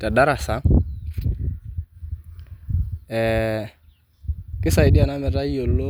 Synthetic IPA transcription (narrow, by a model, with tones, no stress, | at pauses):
ta˨da˦ɾa˨sa˨˦ | ɛ˨ | kɪ˦sa˨ɪ˨di˦a˨na˦mɛ˨ɾa˦i˦o˨lo˦